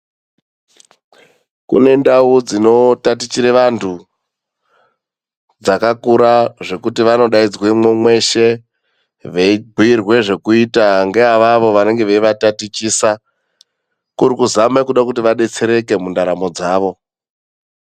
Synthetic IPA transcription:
kṵne̞ndaud͡zino̞tatit͡ʃiɾeʋantʰu | d͡zakakuɾaʐe̞kutiʋano̞ɗaid͡zwemwemwe̞ʃe̞ | ʋeiɡʱiirwe̞ʐe̞kuitaŋɡe̞ɦaʋaʋo̞ʋane̞ŋɡe̞ʋeiʋatatit͡ʃiːsa | kuɾikuzamekuɗakutiʋaɗe̞t͡se̞ɾe̞ke̞mundaɾamo̞d͡zaːʋo̞

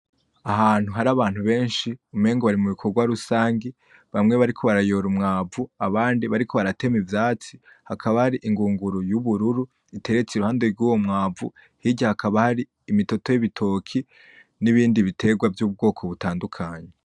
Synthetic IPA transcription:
aɦaːn̥huɦaɾaβaːn̥huβe̞ːnʃiume̞ːŋɡoβaɾimuβikʰo̞ɾɡwaɾusaːŋɡe | βamŋe̞βaɾikʰo̞βaɾajo̞ːɾumŋaːvuaβaːndiβaɾikʰo̞βaɾate̞mivjaːt͡si̥ | hakʰaβahaɾiʔiŋɡuːŋɡuɾojuβuɾuɾu | ite̞ɾe̞t͡seɾuhaːndeɾɡuːwo̞mŋaːvṵ | hiɟahakʰaβahaɾiːmito̞to̞jiβitʰo̞kʰi | niβiːndiβitʰe̞ɡwavjuːb̚ɡo̞ːkʰo̞βutaːndukʰaːɲe

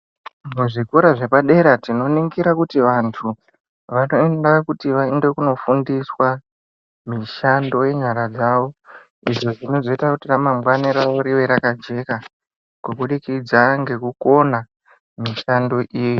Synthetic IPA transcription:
muʐikoɾaʐe̞paɗe̞ɾatino̞niŋɡiɾakutiʋantʰu | ʋanoendakutiʋainde̞kuno̞fundiswa | miʃando̞je̞ɲaɾad͡zaʋo̞ | iʐo̞ʐino̞zo̞itakutiramambwaneɾaʋoɾiʋe̞ɾakad͡ʒe̞ka | kukuɗikid͡zaŋɡe̞kuko̞na | miʃando̞ʔiːji

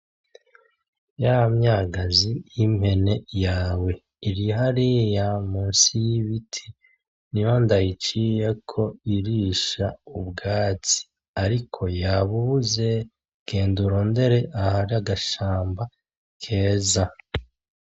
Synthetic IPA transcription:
jaamɲaːɡazijimhe̞ne̞jaːwe̞ | iɾiɦaɾijamuːnsijiβitʰi | nijo̞ndajit͡ʃijekʰo̞iɾiːʃaubɡaːt͡si̥ | aɾikʰo̞jaβuuze̞ | ɡ̥e̞ːnduɾoːnde̞ɾe̞ʔahaɾaɡaʃaːmba | kʰe̞ːza

